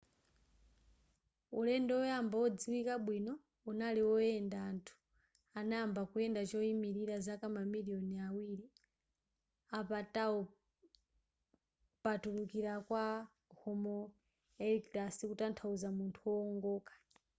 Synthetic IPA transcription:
ulɛndɛɔjambawɔd͡ziwikaɓwinɔ | unaliwɔjɛndaːntʰu̥ | anajambakuɛndat͡ʃɔimiɾiɾazakamamiliɔniawiɾi | apataɔ | patulukiɾakwa | hɔmɔ | ɛliktasikutantʰauzamuntʰuwɔːŋɡɔːkḁ

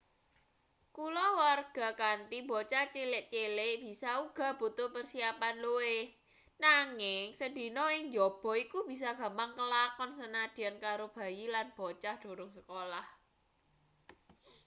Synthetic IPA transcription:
kulɔwarɡ̥a̤kant̪ibɔt͡ʃaht͡ʃelɪʔt͡ʃelɪʔb̥i̤sauɡ̥a̤b̥ṳt̪ʊpərsiapanlowe | naŋɪŋsəd̪̥i̤nɔɪŋd͡ʒɔb̥ɔ̤ikub̥i̤s̬aɡ̥a̤mpaŋkəlakɔnsənad̪̥i̤ankaɾob̥a̤jilanb̥ɔt͡ʃahd̪̥o̤ɾʊŋsəkolah

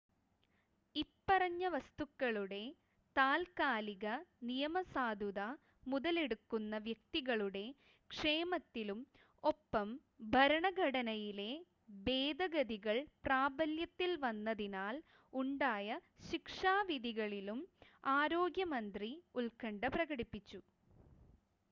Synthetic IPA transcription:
ipːɐrɐɲːɐʋɐst̪ukːɐɭuɽe̞ | t̪aːlkaːliɣɐnijɐmɐsaːd̪ʱuða | muðɐle̞ɽukːunːɐʋjɐk̚t̪iɣɐɭuɽe̞ | kʂe̞ːmɐt̪ːilum | o̞pːɐm | bʱɐɾɐɳɐɡʱɐɽɐnɐjile̞ | be̞ːd̪ɐɡɐd̪iɣɐɭpraːbɐljɐt̪ːilʋɐnːɐðinaːl | uɳɖaːjɐɕikʂaːʋid̪iɣɐɭilumaːɾo̞ːɡjɐmɐnd̪riulkɐɳɖɐprɐɣɐɽipːit͡ɕːu

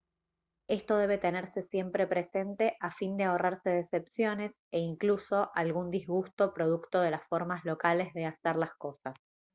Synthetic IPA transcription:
e̞st̪o̞ð̞e̞β̞e̞t̪e̞neɾse̞sje̞mpɾe̞pɾe̞se̞nt̪e̞ʔafind̪eaoraɾse̞ðesepsjo̞ne̞s | eiŋkluso̞ʔalɣund̪izɣust̪o̞pɾo̞ð̞ukt̪o̞ð̞e̞lasfo̞ɾmazlo̞kale̞zðe̞aseɾlasko̞sas

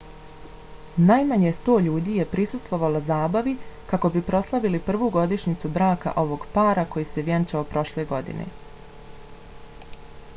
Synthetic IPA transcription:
najmaɲest̪o̞ːʎuːd̪iːje̞pɾisust̪vʋo̞ʋalazaːbaʋikako̞bipɾo̞slˠaʋilipr̩ʋuːɡo̞d̪iʃɲit̪sudɾaːka̰ʔo̞ʋo̞ɡpaːɾako̞jiseʋjant͡ʃaopɾo̞ʃleːɡo̞d̪ḭnḛ

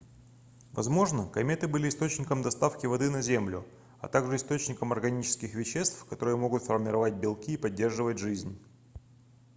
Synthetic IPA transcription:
vɐzmo̞ʐnəkɐmʲet̪ɨbɨlʲɪːst̪ot͡ɕnʲɪkəmd̪ɐst̪afkʲɪvɐd̪ɨnɐzʲemlʲʊ | ɐ̰t̪aɡʐɨɪst̪o̞t͡ɕnʲɪkəmɐrɡɐnʲit͡ɕɪ̥skʲɪxvʲɪɕːe̞st̪fkɐt̪o̞ɾɨjəmo̞ɡʊt̪fərmʲɪɾɐvat̚ʲbʲɪlˠkʲiːpɐdʲːe̞rʐɨvətʲʐɨzʲnʲ

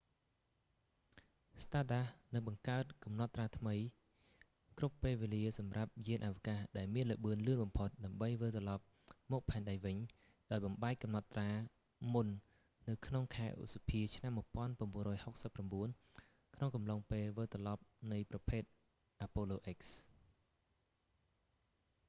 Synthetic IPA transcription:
st̪aːɗahnɨŋɓɑŋkaət̪̚kɑmnɑ̆t̪ːraːt̪ʰməj | krupːeːlʋeːliəsɑmrap̚jiənʔaʋəkahɗaɛlmiənləʔɓɨənlɨənɓɑmpʰot̪̚ɗaəmɓəjʋəlt̪ɑlɑp̚ | mɔːk̚pʰaɛnɗajʋɨɲ | ɗaɔjɓɑmɓaɛk̚kɑmnɑt̪ːraː | munː | ɨwkʰnoŋkʰaɛʔṵsapʰiət͡ɕʰnamːuəpŏənpraənɓuənrɔːjhok̚səpːramɓuən | kʰnoŋkɑmloŋpeːlʋəlt̪rɑlɑp̚nɨjprɑpʰeːt̪̚ | ʔapoːloːʔek̚s

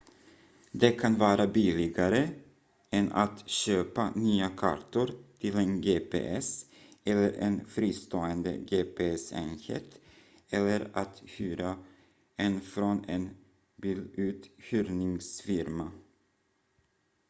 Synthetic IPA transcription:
d̪ɛkʰanvɑːɾabɪlɪɡaɾə | ɛnʔat̪ɕøːpanyːakʰa̰ɾʈʊɾt̪ʰɪlɛnɡeːpʰḛːʔɛs | ɛlːəɾʔɛ̰nfɾiːst̪oːənd̪ə̰ɡeːpʰeːɛsɛ̰nhɛ̰t̪ | ɛlːəɾat̪hyːɾa | ɛnfɾɔnɛn | bɪlʉ̟ːt̪hyːɾnɪŋsfɪɾma

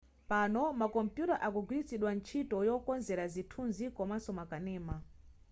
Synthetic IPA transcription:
panɔmakɔmpjutaʔakuɡwiɾit͡siɗwant͡ʃʰitɔjɔkɔnzɛɾazitʰunzikɔmasɔmakanɛːma

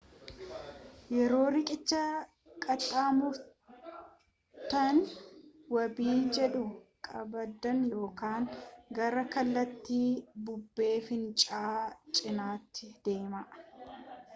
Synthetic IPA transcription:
jɛɾo̞ːɾɪkʼɪt͡ʃːɐ | kʼɐt̪ʼːaːmʊɾ | t̪ɐn | wɐbiːd͡ʒɛᶑʊkʼɐbɐd̪ɐnjo̞ːkaːŋɡɐɾɐkɐlːɐt̪ːiːbʊbːe̞ːfɪnt͡ʃʼaːt͡ʃʼɪnaːt̪ːɪd̪̥e̞ːmɐʔ

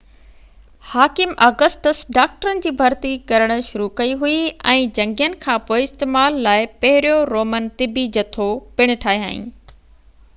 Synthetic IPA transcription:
haːkɪmɐːɡəsʈəsɖaːk̚ʈəɾənɪ̆d͡ʑiːbʱɐɾt̪ikɐɾəɽ̃ʃʊɾukɐiɦuiɛ̃ːd͡ʑɐ̃ŋɡijənɪ̆kʰãːpoːɪɪst̪eːmaːlːaːɪpɐɦɪɾijoɾoːmənt̪ɪbid͡ʑɐt̪ʰopɪɽ̃ɪ̆ʈʰaːɦiɦa̰ːɦḭ̃ː

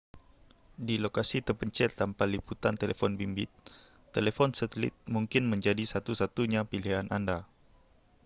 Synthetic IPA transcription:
dilokasit̪əpəɲt͡ʃɛt̪ːampaliput̪ant̪elefɔnbimbɪ̰t̪̚ː | elefɔnsət̪əlɪ̰t̪̚muŋkɪnməɲd͡ʒadisat̪usat̪uɲapilianʔanda

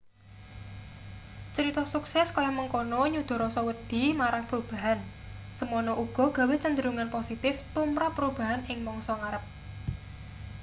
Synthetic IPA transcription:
t͡ʃəɾit̪ɔsuksɛskajɔməŋkonɔɲud̪̥ɔ̤ɾɔsɔwəd̪̥i̤maɾaŋpəɾub̥a̤ɦan | səmɔnɔʔuɡ̥ɔ̤ɡ̥a̤wet͡ʃənd̪əɾuŋanposit̪ɪft̪umpɾapɾub̥a̤ɦanɪŋmɔŋsɔŋaɾəp̚

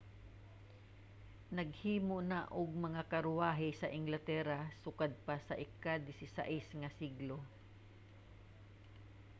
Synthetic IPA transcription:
nɐɡ̚hiːmonaʔʊɡ̚mɐŋakɐɾʊaːɦɪsɐʔɪŋɡlɐt̪ɛɾasʊkad̪̚pasɐʔɪkad̪ɪsɪsa̰ʔɪsŋɐsiɡlo

